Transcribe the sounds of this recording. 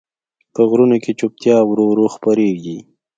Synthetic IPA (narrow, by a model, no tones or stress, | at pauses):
pəɣɾunoket͡ʃop̚t̪jɑwɾoɾoxpaɾeɡi